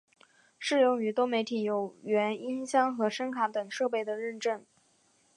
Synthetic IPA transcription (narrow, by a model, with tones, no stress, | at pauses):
ʂɻ̩˥˧jʊ˥˩ŋy˧˥t̪wo˥ʊme˧˥ɪt̪ʰi˨˧˩jo˨˩ʊɥɛ˧˥ni˥nɕjɑ˥ŋxɤ˧˥ʂə˥nkʰa˧˥t̪ə˨˩ŋʂɤ˥˧pe˥˩ɪd̪ə˩ɻə˥˧nʈ͡ʂə˥˩n